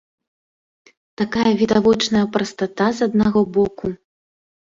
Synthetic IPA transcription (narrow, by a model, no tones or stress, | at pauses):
t̪akajɐvʲid̪avɔt͡ʂnɐjɐpɾɐst̪at̪azɐd̪naɣɔbɔku